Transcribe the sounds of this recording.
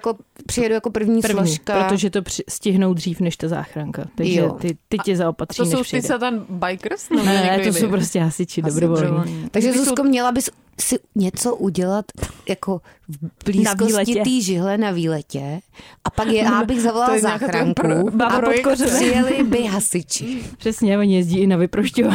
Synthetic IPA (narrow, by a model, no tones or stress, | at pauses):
jakopr̥ɪjɛdujako̞pr̩vɲiːs̩lvoɲʃiːʃkpapɾot̪oʒɛt̪opr̥ɪscɪɦnowd̪riːfnɛʃt̪aza̰ːxɾaŋkat̪aɡjʒɛ̰t̪ɪt̪ɪcɛzaopat̪r̥inɛʃɪsɛt̪ɛnbajkɾsnɛnɛɛt̪osowpɾoscɛɦasɪt͡ʃɪdobɾovolɲɲiːt̪aɡʒɛzuskomɲɛlabɪs | sɪɲɛt͡soʔuɟɛlat̪jakovbliːskolsɛcɪt̪iːʒɪɦlɛnaviːlɛcɛʔapakjɛaːbɪɣzavolalzaːxɾaŋkuapokorɛrɪjɛlɪbɪɦasɪt͡ʃɪpr̥ɛsɲɛvoɲjɛzɟiːɪnavɪpɾoʃcova